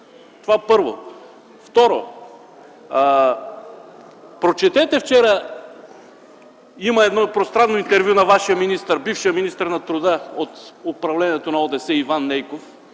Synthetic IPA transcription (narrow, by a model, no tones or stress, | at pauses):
t̪ovapɤɾvo̰ | ft̪ɔɾo̰ | pɾot͡ʃɛt̪ɛt̪ɛft͡ʃɛɾə | imɐɛd̪nɔpɾost̪ɾanːoint̪ɛɾvʲjunɐvaʃijəminist̪əɾbifʃijəminist̪əɾnɐt̪ɾʊd̪əot̪ʊpɾɐvlɛniɛt̪onɐod̪ɛsɛivanːɛjkof